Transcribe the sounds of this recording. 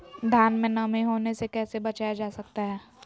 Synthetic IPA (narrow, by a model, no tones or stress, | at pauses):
d̪ʱaːnmẽnɐmẽɦoːnesekɛːsebɐt͡ʃaːjad͡ʒaːsɐkt̪aɦɛː